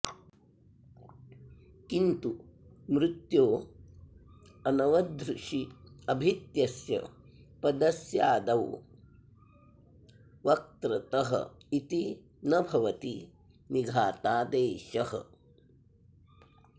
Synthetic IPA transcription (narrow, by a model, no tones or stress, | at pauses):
kint̪umɾɪt̪joː | ɐnɐʋɐd̪ɾuʂiɐbʱit̪jɐsjɐ̰pɐd̪ɐsjaːd̪ɐw | ʋɐk̚t̪ɾɐt̪ɐɦɐ̰it̪i | nɐbʱɐʋɐt̪i | niɡʱaːt̪aːd̪eːʃɐɦɐ̰